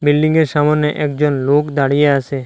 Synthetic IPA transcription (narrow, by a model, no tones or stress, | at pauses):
bilɖiŋɡeɾʃamonːeʔɛkd͡ʑonlokd̪aɽijeasʰe